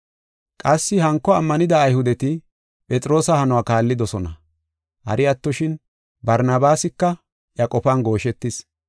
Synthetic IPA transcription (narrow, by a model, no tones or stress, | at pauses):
kʼɐsːɪhɐŋkːɔɐmːɐnɪd̪ɐːjhʊd̪ɛt̪ɪ | pʼɛt͡sʼɾo̞ːsɐhɐnɔwaːkaːlːɪd̪ɔsɔnɐ̰ | hɐ̰ɾɪɐt̪ːɔʃɪn | bɐɾnɐbaːsɪkːɐ | ʔjɐkʼɔfɐnɡo̞ːʃɛt̪ːɪs